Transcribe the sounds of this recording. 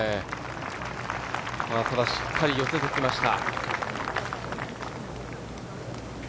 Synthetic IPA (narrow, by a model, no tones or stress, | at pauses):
e | mat̪ʰad̪aɕi̥kʰːaɾʲijoset̪ekʲimaɕi̥t̪a̰